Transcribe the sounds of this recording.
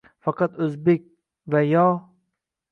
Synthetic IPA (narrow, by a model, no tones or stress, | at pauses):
fɑqɑt̪ʊzbek̚ʲ | vajɒː